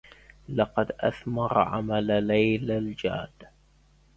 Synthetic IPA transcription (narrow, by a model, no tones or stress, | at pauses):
lɑqɑd̪ʔa̰θmɑɾˤʕa̰mallajlald͡ʒa̰ːd̪